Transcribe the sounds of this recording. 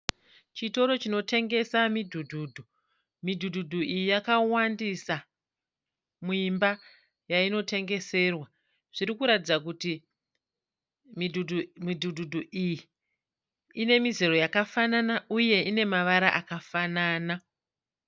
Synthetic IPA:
t͡ʃito̞ɾo̞t͡ʃino̞te̞ŋɡe̞samidʱudʱuːdʱu | midʱudʱudʱuʔijijakawandisa | muimba | jaino̞te̞ŋɡe̞se̞rwa | ʐ̥iɾikuɾatid͡zak̬uti | midʱudʱumidʱudʱudʱuʔiji | ne̞mizero̞jakafananauje̞ine̞maʋaɾaʔakafanaːna

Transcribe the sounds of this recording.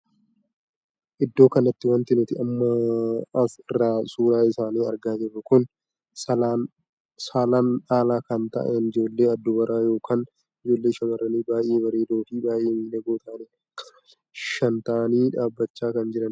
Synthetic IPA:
ʔɪd̪ːo̞ːkɐnɐt̪ːɪwɐnt̪ɪnɪt̪ɪɐmːɐ | ɪrːaːsuːɾaːɪsaːniːɐɾɡaːd͡ʒɛrːɐkʊn | saːlaːnᶑaːlaːkɐnt̪ɐ̰ʔɛnɪd͡ʒo̞ːlːe̞ːɐd̪ːɔbɐɾʔaːjo̞ːkʰaːn | ɪd͡ʒo̞ːlːeːʃɐmɐrɐniːbaːjʔeːbɐɾeːd̪o̞ːfiːbaːʔeːmiːᶑɐɡoːt̪ɐʔne | ʃɐnt̪ɐʔniːᶑaːbːɐt͡ʃːaːkɐnd͡ʒɪɾɐn

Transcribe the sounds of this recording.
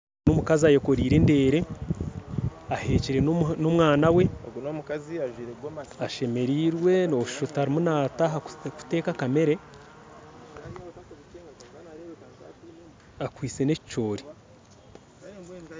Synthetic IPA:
nomukaziajeko̞ɾiːɾe̞nde̞ːɾe̞ | ahe̞ːciɾe̞nomwaːnawe̞omk | aʃe̞me̞ɾiːɾwe̞noʃʃutaɾimunaːtaɦaku̥te̞ːkakame̞ɾe̞ | akwiːt͡se̞ne̞ci̥t͡ʃo̞ːɾi

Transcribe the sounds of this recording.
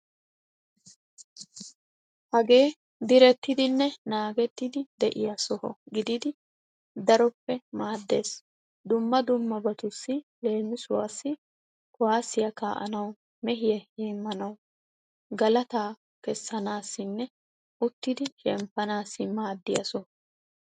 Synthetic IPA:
hɐɡe̞ː | d̪ɪɾɛt̪ːɪd̪ɪnːɛnaːɡɛt̪ːɪd̪ɪd̪ɛʔɪjɐsɔhɔɡɪd̪ɪd̪ɪ | d̪ɐɾɔpːɛmaːd̪ːe̞ːs | d̪ʊmːɐd̪ʊmːɐbɐt̪ʊsːɪle̞ːmːɪsʊwaːsːɪ | kʊwaːsɪjɐka̰ːʔɐ̰nɐw | mɛɦɪjɛheːmːɐnɐw | ɡɐlɐt̪aː | kɛsːɐnaːsːɪnːɛ | ʊt̪ːɪd̪ɪʃɛmpːɐnaːsːɪmaːd̪ːɪjɐ̰sɔhɔ

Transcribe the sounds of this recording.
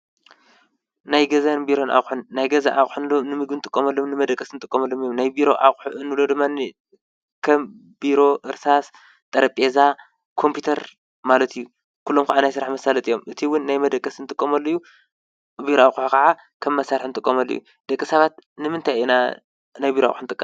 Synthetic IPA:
najɡɐzanbiɾo̞nʔa̰χʼħunːajɡɐza̰ʔaχʼħunlonɨmɨɡbɨnt̪ʼɨkʼːomɐlːomnɨmɐd̪ɐkʼːɐsnɨt̪ʼɨkʼːɐmɐlːomijomnajbiɾo̞ʔa̰χʼħuʔɨnːɨlo̞d̪ɨmːan | kʰɐm | biɾo̞ʔɨɾsas | t̪ʼɐɾɐpʼeza | kʰo̞mpʰut̪ʰɐɾ | malɐt̪ʰijːu | kʰulːomkʰaʕanajsɨɾaħmɐsalɐt̪ʼijo̞mʔɨt̪ʰiwʊnːajmɐd̪ɐkʼːɐsnɨt̪ʼɨkʼːɐmɐlːoju | biɾoaxʼħukʰɐʕa | kʰɐmːɐsaɾħnɨt̪ʼɨkʼːɐmɐlːo̰jṵ | d̪̥ɐkʼːɨsɐβat̪nɨmɨnt̪ʰajina | najbiɾoa̰xʼħnɨt̪ʼɨkʼːɐm

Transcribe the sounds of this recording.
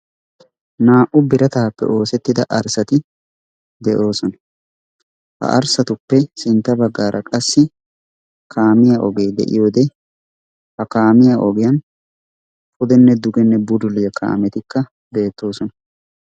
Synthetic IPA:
naːʔʊbɪɾɐt̪aːpːɛ̰ʔo̞ːsɛt̪ːɪd̪ɐʔɐɾsɐt̪ɪ | d̪ɛʔo̞ːsɔnɐ̥ | hɐ̰ʔɐ̰ɾsɐt̪ʊpːɛsɪnt̪ːɐbɐɡːaːɾʔɐkʼɐsːɪ | kʰaːmɪjaʔɔɡe̞ːd̪ɛ̰ʔɪ̰jo̞ːd̪ɛ | hɐkaːmɪjaʔɔɡɪjɐn | fʊd̪ɛnːɛd̪ʊɡɛnːɛbʊd̪ʊlɪjɐkʰa̰ːmɛt̪ɪkːɐ | be̞ːt̪ːo̞ːsɔnɐ

